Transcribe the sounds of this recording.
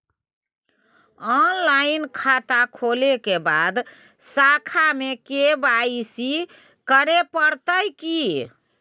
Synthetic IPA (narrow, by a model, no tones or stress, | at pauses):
ɔnlainkʰat̪akʰolekebad̪ | sakʰamekebaisi | kəɾepəɾt̪əjki